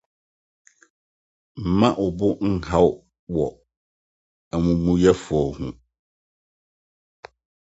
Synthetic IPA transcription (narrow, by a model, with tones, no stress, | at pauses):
m̩˨mã˦ʔʊ˨bʊ˦ŋ̩˦ha˦wʊ˦ | wɔ˨ | æ˨mũ˨mũ˦jɛ˦fʊ˨ɔ˨hũ˦